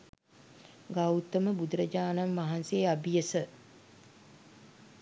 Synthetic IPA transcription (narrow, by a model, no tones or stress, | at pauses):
ɡawt̪ːəməbud̪ɾəd͡ʒaːnamːaɦanseːabijəsə